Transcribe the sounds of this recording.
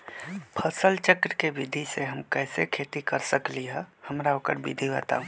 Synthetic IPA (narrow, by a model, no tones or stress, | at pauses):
pʰəsəlt͡ʃəkɾəkebɪd̪ʱiseɦəmkɛːsekʰeːt̪ikəɾsəkliɦɛ̃həmɾaoːkəɾbḭd̪ʱibə̰t̪a̰ũ